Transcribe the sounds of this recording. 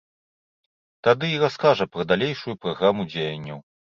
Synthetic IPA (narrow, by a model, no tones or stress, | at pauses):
t̪ad̪ɨiɾaskaʐɐpɾɐd̪alʲejʂujupɾaɣɾamud͡zʲejɐnʲːɐw